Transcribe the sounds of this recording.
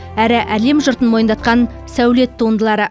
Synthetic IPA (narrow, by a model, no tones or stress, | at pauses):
æɾɪʔæle̞mʒʊɾt̪ənmo̞jənd̪ɑt̪̚qɑn | sæwle̞t̪ʰːuənd̪əlˠɑɾə